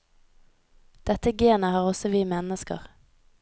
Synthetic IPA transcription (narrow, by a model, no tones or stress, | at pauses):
d̪̥ɛt̪əɡeːnəhɑːʁɔsɔʋiːmɛnəskə̰ʁ